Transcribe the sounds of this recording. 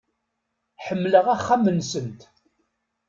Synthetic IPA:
ħəmːləʁæχːamːənsənt̪

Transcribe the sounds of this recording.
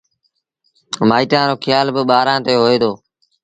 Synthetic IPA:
maːiːʈãːɾoːkʰjaːlbəɓaːɾãːt̪eːɦoːeːd̪oː

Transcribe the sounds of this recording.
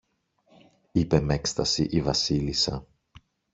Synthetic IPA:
ipe̞me̞kst̪ɐsiʔivɐsilisɐ̰

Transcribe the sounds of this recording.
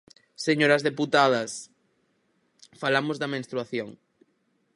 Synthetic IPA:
seɲoɾɐzðeput̪aðɐs | falamozðɐmẽnst̪ɾuaθjoŋ

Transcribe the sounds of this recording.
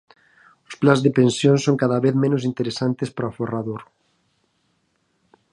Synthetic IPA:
ʊsplanzðepẽnsjonsoŋkaðaβeθmẽnʊs̬int̪eɾesant̪espɾoaforaðoɾ

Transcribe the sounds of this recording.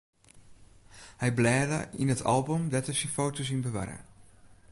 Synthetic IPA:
hɛjblɛːdə̰ḭnətʰɑ̰lˠbomdɛtəsinfoːtos̬inbəʋa̰rə̰

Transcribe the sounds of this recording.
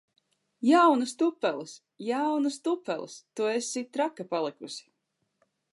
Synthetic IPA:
jawnust̪upːɛlˠis | jawnust̪upːɛ̰lˠḭst̪uesit̪ɾakapalˠikusi̥

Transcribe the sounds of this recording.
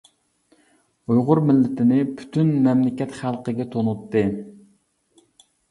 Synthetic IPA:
ujʁʊɾmɪlːɪt̪ʰɪnɪpʰy̥t̪ʰynmɛmlɪkʲɛt̪χælˠqəɡʲɛt̪ʰonut̪ːɨ

